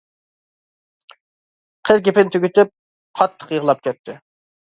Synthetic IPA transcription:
qʰəzɡʲepɪnt̪ʰøɡʲyt̪ʰɪp̚ | qʰɑt̪ʰːə̥qjəʁlˠɑp̚kʲɛt̪ʰːɪ

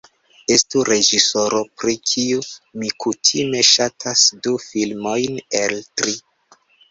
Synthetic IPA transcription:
e̞stuɾe̞d͡ʒiso̞ɾo̞pɾikʰiumikutʰime̞ʃatʰasdufilmo̞jneltɾi

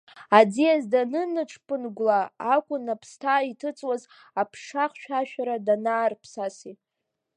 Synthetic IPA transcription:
ad͡zijazdanɨnɨʈ͡ʂʰpʼɨnɡʷlaːkʷʼʊnapʰstʰaitʰɨt͡sʼwaz | apʰʂaχʃᶣaʃᶣaɾadanaːrpʰsasi

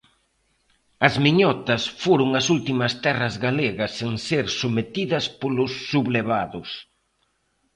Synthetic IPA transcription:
ɐzmiɲɔt̪ɐsfoɾʊŋɐsult̪imɐst̪ɛrɐzɣaleɣɐsːeŋseɾsomet̪iðɐspolʊsːuβleβaðʊs

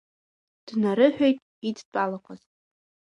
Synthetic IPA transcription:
d̥naɾɨħᶣojtʼ | it͡spʰʼalaqʷʰazʼ

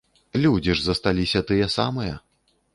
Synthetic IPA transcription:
lʲud͡zʲiʐzɐst̪alʲisʲɐt̪ɨjɛsamɨjɐ

